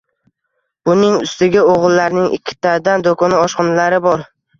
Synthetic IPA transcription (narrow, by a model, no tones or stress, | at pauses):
b̥ʊnɪŋʊ̰st̪ɪɡʲɪoʁlˠːaɾnɪŋʔɪ̰kʲʰːɪ̥t̪ʰad̪and̪okʰɒnɪɒʃqɨnlaɾɪbɒɾ